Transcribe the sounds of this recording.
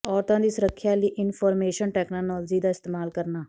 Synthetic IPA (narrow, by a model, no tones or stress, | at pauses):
ɔːɾt̪ãːd̪iːsəɾəkʰːjaːliːʔɪnfʰɔːɾmeːʃənʈɛːknoːnɔːld͡ʒiːd̪aːɪst̪eːmaːlkəɾnaː